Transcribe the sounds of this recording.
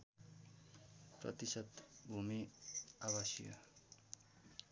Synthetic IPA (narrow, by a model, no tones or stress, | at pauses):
prʌ̰t̪isʌd̪bʱumiawasjʌ̰